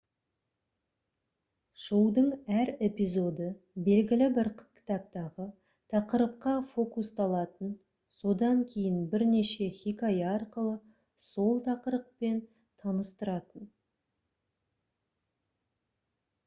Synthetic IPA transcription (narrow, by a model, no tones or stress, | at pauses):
ʒ̥owd̪əɴæɾe̞pijzo̞d̪ə | be̞lɡʲɪlɪbɪɾkʲʰɪ̥t̪ɑp̚t̪ɑʁə | t̪ʰɑqəɾəp̚qɑfo̞kust̪ɑlˠɑt̪ən | so̞d̪ɑŋkʲʰe̞jɪnbɪɾne̞ʃe̞χʲikajɑɾqəlˠə | so̞lˠt̪ʰɑqəɾəq̚pe̞n | t̪ʰɑnəst̪əɾɑt̪ən